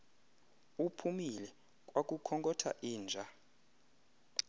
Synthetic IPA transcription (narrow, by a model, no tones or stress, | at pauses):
upʰumilɛ | kʼwak̬ʼukʰɔŋkʼɔtʰa̰ʔiːnd͡ʒʱa